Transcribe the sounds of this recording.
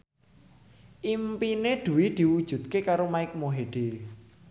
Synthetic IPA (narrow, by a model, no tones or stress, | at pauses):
ʔimpined̪̥ṳwid̪̥i̤wud̥ʒ̥ṳt̪̚kekaɾomaɪk̚moɦeɖ̪̥e